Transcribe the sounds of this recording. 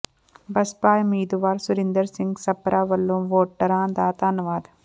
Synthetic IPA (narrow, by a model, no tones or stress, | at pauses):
bɐspaːjmiːd̪uʋaːɾsuɾind̪ɐɾsiŋɡsɐpːɐɾʔaːʋɐlːumʋoːʈːɐɾãːnd̪aːt̪aːnɐʋaːd̪